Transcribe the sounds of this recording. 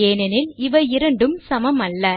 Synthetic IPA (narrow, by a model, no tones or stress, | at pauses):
eːnɐnɪlɪʋɐɪɾɐɳɖɯmsɐmɐmɐlːɐ